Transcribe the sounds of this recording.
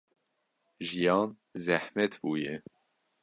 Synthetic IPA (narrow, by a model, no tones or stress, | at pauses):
ʒijɑːn | zæhmɛt̪buːjɛ